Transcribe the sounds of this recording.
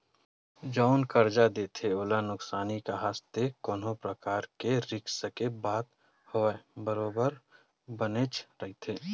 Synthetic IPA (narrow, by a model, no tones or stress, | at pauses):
d͡ʒɔʊnkəɾd͡ʒad̪eːt̪ʰeoːlanʊksaːnikaɦaːst̪ekɔːnõpɾəkaːɾkeɾɪksəkebaːt̪̚ | hoɛbəɾoːbəɾ | bənet͡ʃɾɐɦit̪ʰeː